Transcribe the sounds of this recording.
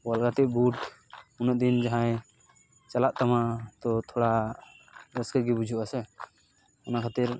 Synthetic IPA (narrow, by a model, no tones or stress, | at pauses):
walɡat̪ibuʈunəd̪ind͡ʒaɦãj | t͡ʃəlaʔt̪əmãt̪ɔt̪ʰoɽa | ɾəskəɡibud͡ʒʱuəsɛ | ənakʰat̪iɾ